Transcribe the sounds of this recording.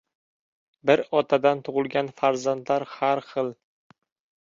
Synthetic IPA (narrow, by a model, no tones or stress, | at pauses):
bɪɾɒt̪ʰad̪ant̪ʰʊʁɨlˠɡʲanfaɾzand̪laɾhaɾχɨlˠ